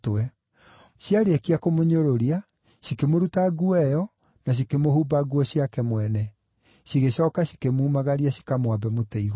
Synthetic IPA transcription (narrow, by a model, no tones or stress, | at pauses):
tɛ | siaɾekiakomoɲoɾoɾia | sikemoɾutaɡuɛjɔ | nas̬ikemohubaɡuɔɕiakɛmwɛnɛ | siɣeɕɔːkasi̥kemuːmaɣaɾiaɕi̥kamwabɛmotɛiɣ